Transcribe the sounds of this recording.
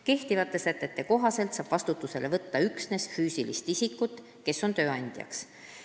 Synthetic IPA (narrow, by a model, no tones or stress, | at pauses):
ke̞ht̪ivɑt̪ːˑe̞sæt̪ːˑet̪ːe̞ko̞ɦɑse̞lt̪sɑːb̥vɑst̪ut̪ːuse̞le̞vɤt̪ːɑyksne̞sfyːsilist̪isikːˑut̪ːˑ | ke̞so̞nt̪ø̞ːɑnʲd̪̥jɑ̰ks